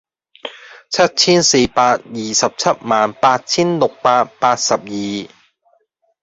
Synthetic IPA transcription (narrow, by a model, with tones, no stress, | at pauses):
t͡sʰɐ˥t̚t͡sʰiː˥nse˧jpaː˧t̚jiː˨sɐ˨p̚t͡sʰɐ˥t̚maː˨npaː˧t̚t͡sʰiː˥nlʊ˨k̚paː˧t̚paː˧˥t̚sɐ˨p̚jiː˨